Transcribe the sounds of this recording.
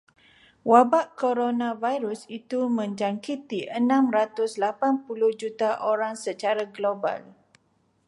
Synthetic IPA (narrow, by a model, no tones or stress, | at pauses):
wabaʔkoɾonãvajɾusit̪umə̃ɲd͡ʒaŋkit̪iʔənãmɾat̪ʊslapanpuluhd͡ʒut̪aʔoɾaŋsət͡ʃaɾaɡloba̰l